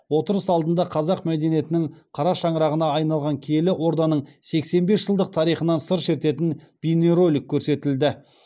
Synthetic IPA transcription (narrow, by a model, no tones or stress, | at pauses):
wo̞t̪əɾəsɑlˠd̪ənd̪ɑqʰɑzɑqmæd̪e̞nije̞t̪ɪnɪŋqʰɑɾɑʃɑɴɾɑʁənɑːjnɑlˠʁɑŋkʲʰeelɪwo̞ɾd̪ɑnəɴse̞kse̞nbe̞sʒ̥əlˠd̪əq̚t̪ʰɑɾijχənɑnsəɾʃe̞ɾt̪e̞t̪ɪnb̥ijneɾo̞lʲikʲʰːɵɾse̞t̪ɪld̪ɪ